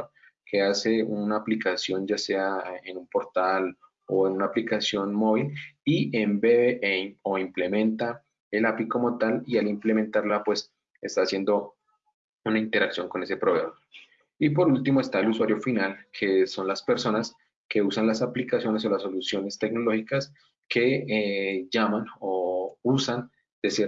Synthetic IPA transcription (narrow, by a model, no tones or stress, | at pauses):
kʰe̞ase̞unaːplikasjo̞nd͡ʒase̞aenumpo̞ɾt̪al | o̞enunaːplikasjo̞nmo̞β̞iliembeβeʔeo̞imple̞mẽ̞nt̪a | elapiko̞mo̞t̪alialimple̞ment̪aɾlapwe̞s | e̞st̪aːsje̞nd̪o̞ | unaint̪e̞ɾaksjo̞ŋko̞ne̞se̞pɾoɣɾama | ip̬o̞ɾult̪imo̞e̞st̪aeluswaɾjo̞finalkʰe̞so̞nlaspe̞ɾso̞nas | ke̞usanlasaplikasjo̞ne̞so̞laso̞lusjo̞ne̞st̪e̞ɡno̞lo̞hikas | kʰe̞ | d͡ʒamanousan | d̪̥e̞se